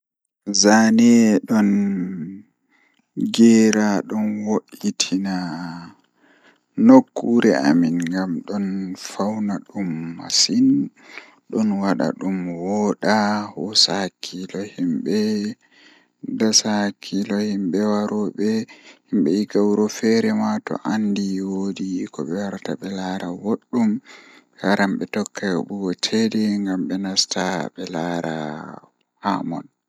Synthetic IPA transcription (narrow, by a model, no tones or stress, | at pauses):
zanɛɗɔn | ɡɛɾaɗɔnwoʔitʰina | nokʰːuɾɛʔa̰minɡamɗɔnfawnaɗumːa̰sin | ɗɔnwaɗa̰ɗumwɔːɗahɔsakʰːilɔhimɓɛ | dasakʰːilɔhimɓɛwaɾɔɓɛhimɓɛjiɡawɾɔfɛɾɛmatɔ̰ʔandiwodikɔɓɛwaɾtaɓɛlaɾawoɗːum | kaɾamɓɛtɔkːaɓuɡɔtʰɛdɛŋɡamɓɛnastaɓɛlaɾa̰ | ha̰mɔ̰n